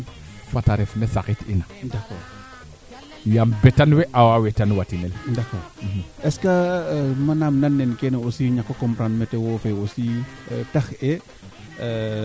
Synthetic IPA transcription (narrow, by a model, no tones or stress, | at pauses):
fataɾɛfnesakitinadakɔːɾ | jambɛtanwɛʔawawetanwatinɛldakɔ̰ɾ̩h̩ʔɛskamanamnanːɛnkɛnosiɲakːokɔmpɾanmɛtewɔːfeositaxɛ